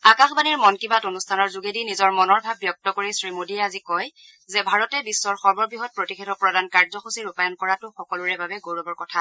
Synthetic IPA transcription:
akaxbaniɹmɔnkibatonustʰanɔɹzuɡedinizɔɹmɔnɔɹbʱabːjɔk̚tɔkoɹisɹimodiɛazikɔj | zɛbʱaɹɔtɛbisːɔɹxɔɹbɔɹbiɦɔt̚pɹotixʰetɔpɹɔdankaɹzɔxusiɹupajɔnkɔɹatʊxɔkɔluɹɛbabɛɡoɹɔbɔɹkɔtʰa

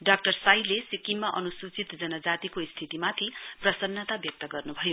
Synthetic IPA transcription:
ɖak̚ʈʌrsajlesikimmaʔʌnusut͡sit̪d͡zʌnʌd͡zat̪ikoist̪ʰit̪imat̪ʰiprʌsʌnːʌt̪abjʌk̚t̪ʌɡʌrnubʱʌjo

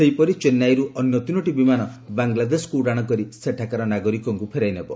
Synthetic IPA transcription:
sejpɔɾit͡ʃenːajɾuʔɔnjɔt̪unoʈibimanɔbaŋɡlad̪esɔ̥kuɽaɽ̃ɔkɔɾiseʈʰakaɾɔnaɡɔɾikɔŋkupʰeɾajnebɔ

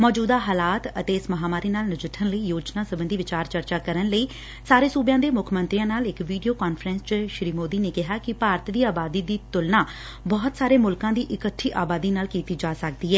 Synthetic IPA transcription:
mɔːd͡ʒuːd̪aːɦaːlaːt̪ət̪eːɪsməɦaːmaːɾiːnaːlnəd͡ʒəʈʰːənləiːjoːd͡ʒnaːsəbə̃nd̪iːʋɪt͡ʃaːɾt͡ʃəɾt͡ʃaːkəɾənləiː | saːɾeːsuːbjãːd̪eːmʊkʰmə̃nt̪ɾijãːnaːlɪkʋiːɖijoːkaːnfʰəɾɛ̃nst͡ʃʃɾiːmoːd̪iːneːkɪɦaːkɪpaːɾt̪d̪iːaːbaːd̪iːd̪iːt̪ʊlnãː | bɔːt̪saːɾeːmʊlkãːd̪iːʔɪkəʈʰːiːʔaːbaːd̪iːnaːlkiːt̪iːd͡ʒaːsək̚d̪iːɦɛː

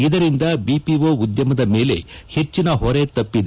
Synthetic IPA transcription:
id̪ɐɾind̪ɐbiːpiʋoːud̪jɐmɐd̪ɐme̞ːle̞̰he̞t͡ʃːinɐɦɔɾe̞t̪ɐpːid̪e

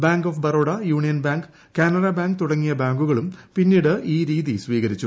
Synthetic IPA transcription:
baːŋɡofbɐɾoːɽɐjuːɳijɐnbaːŋɡ | kaːnɐɾɐbaːŋɡ̚t̪uɽɐŋːijɐbaːŋɡuɣɐɭumpinːiːɽɨʔiːɾiːðisʋiːɣɐɾit͡ɕːu

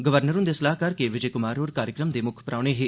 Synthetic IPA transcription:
ɡəʋəɾnəɾʊnd̪eːsəlaːɦkəɾkeʋɪd͡ʒəːkʊmaːɾoːɾkaːɾjəkɾəmd̪eːmʊkʰpɾaːʊɽ̃eːɦeː

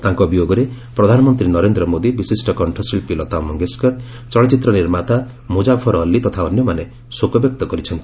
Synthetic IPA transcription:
t̪aŋkɔbijoɡɔɾe | pɾɔd̪ʱanɔmɔnt̪ɾinɔɾend̪ɾɔmod̪ibisisʈɔkɔɳʈʰɔsilpilɔt̪amɔŋɡeskɔɾ | t͡ʃɔɭɔt͡ʃit̪ɾɔniɾmat̪a | mud͡ʒabʰɔɾɔːlːit̪ɔt̪ʰaɔnjɔmane | sokɔbjɔk̚t̪ɔkɔɾit͡ʃʰɔnt̪i̥

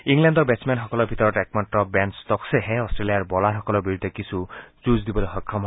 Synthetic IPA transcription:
iŋlandɔɾbesmanɦɔkɔlɔbʱit̪ɔɾɔʈekmaʈrɔbanst̪ɔkseɦẽɔsʈɾeliaɾbɔlaɦɔkɔlɔbiɾud̪ʱɔkisʰut͡ʃuzd̪ibɔɾeɦɔkʰːɔm

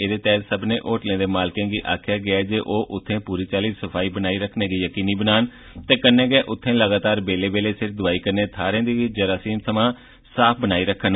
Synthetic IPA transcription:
eːd̪eːt̪ɛːt̪səbnẽːʔoːʈlẽːd̪eːmaːlkẽːɡiːʔa̰ːkʰɪjaːɡɪaːɛd͡ʒeːʔoːʔʊt̪ʰːẽːpuːɾiːt͡ʃaːliːsəpʰaːiːbənaːiːɾəkʰneːd̪iːjəkiːniːbənaːn | t̪eːkənːẽːɡɪɛːʔʊt̪ʰːẽːləɡaːt̪aːɾbeːleːbeːleːsɪɾʰd̪ʊaːiːkəɾneːt̪ʰaːɾẽːd̪iːd͡ʒəɾaːsiːmsəmãː | saːp̚ʰbənaːiːɾəkʰən

